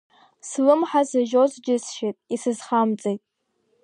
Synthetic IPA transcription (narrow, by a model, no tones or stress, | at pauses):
slɨmħazaʒozd͡ʒɪsʃejtʼisɨzχamt͡sʼejtʼ